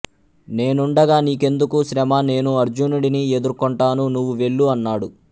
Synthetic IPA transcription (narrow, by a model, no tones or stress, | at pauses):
ne̞ːnuɳɖɐɡaːniːke̞nd̪ukusɾɛmɐne̞ːnuɐɾd͡ʒunuɽinie̞d̪uɾkoɳʈaːnunuʋːuʋe̞ɭːuɐnːaːɽu